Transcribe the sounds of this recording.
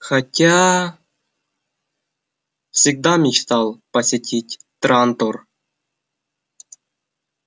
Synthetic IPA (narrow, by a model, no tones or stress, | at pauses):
χatʲːa | fsʲiɡ̚d̪ɑmʲit͡ɕt̪ɑlˠpəsʲitʲitʲt̪rɑnt̪or